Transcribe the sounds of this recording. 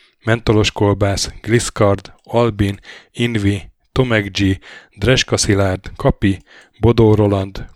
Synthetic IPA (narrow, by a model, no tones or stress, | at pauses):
mɛnt̪o̞lo̞ʃkolbaːsɡ̥liskɒrd̪ɒlbininvi | t̪o̞mɛɡd͡ʒid̪rɛʃkɒsilaːrd̪kɒpi | bo̞d̪oːɾo̞lɒnd̪